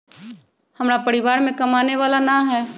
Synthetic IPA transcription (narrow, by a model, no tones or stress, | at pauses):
hɐmɾapɐɾɪʋaːɾmẽkɐmaːneʋaːlanaɦɛː